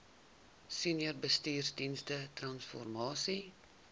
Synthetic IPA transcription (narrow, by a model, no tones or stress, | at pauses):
siniərbəstiːrsdinstətrɐnsfɔ̰rmɑːsi